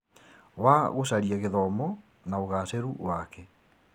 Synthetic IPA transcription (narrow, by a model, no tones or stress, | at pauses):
waɣosaɾiaɣeðɔmɔ | naoɣaseɾuwakɛ